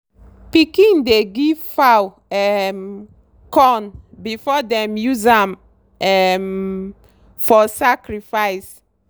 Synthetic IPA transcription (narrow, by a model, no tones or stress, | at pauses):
pikĩndeɡivfaw | ɛm | kɔ̃nbifɔdɛ̃mjuzãm | ɛm | fɔsakɾifajs